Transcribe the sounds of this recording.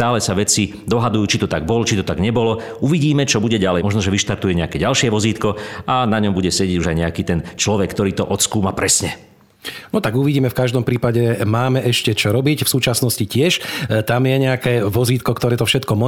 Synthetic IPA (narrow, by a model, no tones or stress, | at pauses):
t̪aːlɛsaʋɛt͡si | d̪ɔɦad̪ujuːt͡ʃit̪ɔt̪aɡ̚bɔlɔt͡ʃit̪ɔt̪aɡɲɛbɔlɔ | ʔuʋiɟiːmɛt͡ʃɔbuɟɛɟalɛmɔʒnɔʒɛʋiʃt̪aɾt̪ujɛɲɛakɛːɟalʃɪɛʋɔziːt̪kɔʔanaɲɔmbuɟɛsɛɟɛɟuʒajɲɛakiːt̪ɛnt͡ʃlɔʋɛkːt̪ɔɾiːt̪ɔ̰ʔɔt̪skuːmapɾɛsɲɛ | nɔt̪aɡuʋiɟiːmɛfkaʒd̪ɔmpɾiːpaɟɛmaːmɛʔɛʃcɛt͡ʃɔɾɔbicfsuːt͡ʃasnɔscicɪɛʃt̪amjɛɲɛakɛːʋɔziːt̪kɔkt̪ɔɾɛːt̪ɔfʃɛt̪kɔmɔ